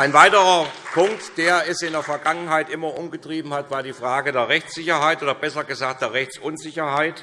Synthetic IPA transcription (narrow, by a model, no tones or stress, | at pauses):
ʔaɪnvaɪtəʁɐpʰʊŋk̚td̥eːɐɛsɪndeːɐfɛɐɡaŋənɦaɪtʔɪmɐʔʊmɡətʁ̥iːbm̩hatv̥aːɐdiːfʁ̥aːɡədeːɐʁɛçt͡sz̥ɪçɐɦaɪtʔoːdɐbɛsɐɡəzaːk̚d̥eːɐʁɛçt͡sʔʊnzɪçɐhaɪt